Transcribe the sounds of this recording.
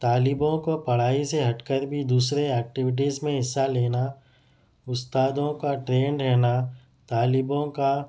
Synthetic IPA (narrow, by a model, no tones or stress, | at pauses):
t̪aːlɪbõkopɐɽ̤aːiseɦɐʈkəɾbʱid̪uːsɾeɛːk̚ʈɪʋɪʈ̬iːzmẽɦɪsːaleːna | ʊst̪aːd̪õkaʈɾeːɳɖɾɛɦna | t̪aːlɪbõka